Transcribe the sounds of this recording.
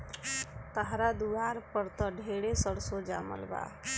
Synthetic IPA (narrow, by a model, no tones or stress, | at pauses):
t̪əɦɾad̪uʋaːɾpəɾt̪əɖʱeːɽesəɽsod͡ʒa̰ːmə̰lba̰ː